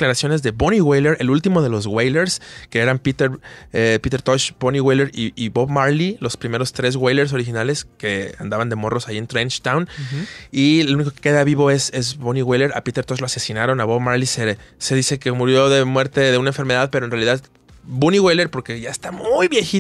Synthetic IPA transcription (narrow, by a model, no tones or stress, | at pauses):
klaɾasjo̞ne̞zðe̞boniɣwejleɾe̞lult̪imo̞ðe̞lo̞zɣwejleɾskeeɾampit̪eɾepit̪e̞ɾt̪oʃboniwejleɾiːbo̞βmaɾlilo̞spɾime̞ɾo̞st̪ɾe̞z̬ɣwejle̞ɾs̬o̞ɾixinale̞ske̞a̰nd̪aβand̪e̞mo̞ro̞sajient̪ɾent͡ʃt̪awn | ieluniko̞kekeðaβiβo̞e̞se̞zboniwejleɾa̰pit̪e̞ɾt̪oʃlo̞ase̞sinaɾo̞naβo̞βmaɾlisese̞ðise̞kemuɾjo̞ðe̞mwe̞ɾt̪e̞ðe̞unaeɱfe̞ɾme̞ðaðpeɾoenrealiðað | buniɣwejleɾpo̞ɾke̞ʝaest̪amujβje̞xi